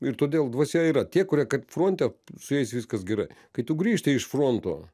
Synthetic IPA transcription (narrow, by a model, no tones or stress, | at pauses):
ɪɾt̪oːd̪ʲeːlˠd̪ʋɐsʲɛiːɾɐt̪ʲiɛkʊɾʲiɛkɐtfɾoːnʲt̪ʲɛsʊjɛɪsʲʋʲɪskɐsɡʲɛɾɐɪkɐɪt̪ʊɡɾʲiːʃʲt̪ʲɪɪʃfroːnt̪o̰ː